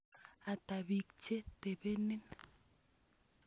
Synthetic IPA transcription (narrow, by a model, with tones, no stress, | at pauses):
a˨t̪a˨βi˨k̚t͡ʃe˦t̪e˨βe˦ni˦n